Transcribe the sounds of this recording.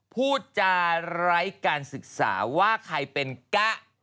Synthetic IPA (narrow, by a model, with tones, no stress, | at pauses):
pʰuː˥˩t͡ɕa˧˩ɾa˦˥jkaː˧nsɯ˨˩k̚sa̰ː˩˦waː˥˩kʰa˧jpe˧nka˦˥˩ʔ